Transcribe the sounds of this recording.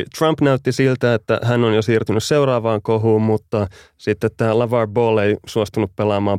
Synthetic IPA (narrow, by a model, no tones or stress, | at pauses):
t̪rɑmpnæyt̪ːisilt̪æet̪ːæ̰hænonjosiːrt̪ynysseurɑːʋɑːŋkoɦuːmmut̪ːɑ | sit̪ːet̪t̪ːæːlɑʋɑrboːleisuost̪unuppelɑːmɑːm